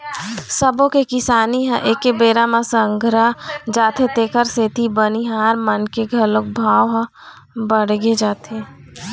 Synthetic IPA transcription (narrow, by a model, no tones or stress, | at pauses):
səbõkekɪsaːniɦɛ̃ʔeːkebeːɾamãsə̃ŋɡʱɾad͡ʒaːt̪ʰet̪eːkəɾseːt̪ʰibəniɦaːɾmənkeɡʱɐlok̚bʱaːʋɦə̃ | bəɽɡed͡ʒaːt̪ʰe